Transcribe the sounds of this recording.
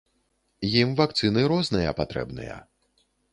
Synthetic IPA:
jimvakt̪sɨnɨɾɔznɨjɐ̰pat̪ɾɛ̰bnɨ̰jɐ̰

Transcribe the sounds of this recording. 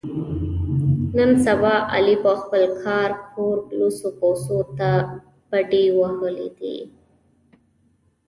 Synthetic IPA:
nənsabɑʔa̰lipəxpəlkʰɑɾkʰoɾblusopowsot̪a | b̥aɖewahəlḭd̪ḭ

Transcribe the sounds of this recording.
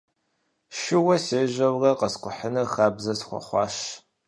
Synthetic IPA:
ʃɪwɐseːʑɐwrɐqɐsqʷʼʊħənɨxaːbzɐsχʷɔ̰χʷɑ̰ːʃ

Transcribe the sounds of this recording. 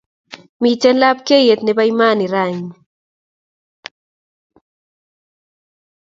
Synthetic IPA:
mit͡ʃenlap̚kejet̪nebajmaːniɾaɲ

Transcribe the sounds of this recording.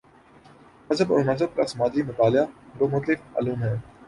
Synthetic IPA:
ɐzəbɔ̰ːɾnɐzəb̚kasmaːd̪imʊt̪aːlɪjad̪oːmʊt̪lɪfa̰ːluːmɦɛː

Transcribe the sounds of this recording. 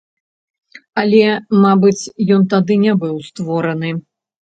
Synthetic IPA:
ɐlʲɛmabɨt͡sʲjɔnt̪ad̪ɨnʲɛbɨwst̪vɔɾɐnɨ

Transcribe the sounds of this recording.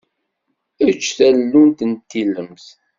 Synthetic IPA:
ət͡ʃːθælːunt̪ənt̪ːiləmθ

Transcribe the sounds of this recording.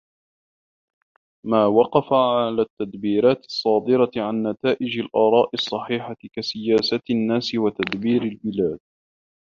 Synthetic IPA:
maːwɑqɑfaʕalaːt̪ːad̪biːɾaːt̪ɪ̥sˤːɑːd̪ɨɾaʕanːat̪aːʔɪd͡ʒalʔɑːɾˤɑːʔɪsˤːɑħiːħakasɪjaːsanːaːsɪwat̪ad̪biːɾalbɪlaːd̪̥̚

